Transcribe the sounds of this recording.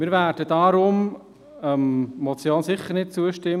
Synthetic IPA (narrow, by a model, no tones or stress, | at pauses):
mɪːɾvæːɾd̥ədɑɾʊm | əmmɔt͡sjoːnsɪχːəɾnɪt̚t͡suəʃtɪm